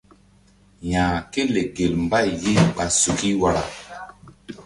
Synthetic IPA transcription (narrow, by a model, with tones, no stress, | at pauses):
jãː˨ke˦le˨ɡe˨lmba˦˨jje˦ɓa˨su˨ki˦wa˨ɾa̰˨